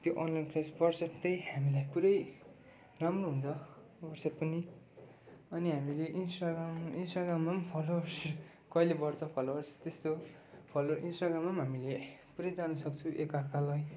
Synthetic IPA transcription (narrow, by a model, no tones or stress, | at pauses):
t̪joʔʌnlajnpʰrasbʌrset̪ʌjhamilajpuɾʌj | ramroɦunt͡sʰʌ | bʌrsʌpʌni | ʌniɦamileʔinsʈaɡraminsʈaɡramːampʰʌlos | kʌilebʌɽt͡sʰʌpʰʌlosʌ̥t̪est̪o | pʰʌloʔinsʈaɡramamɦamilepuɾʌjd͡zanusʌkt͡sʰuʔekarkalaj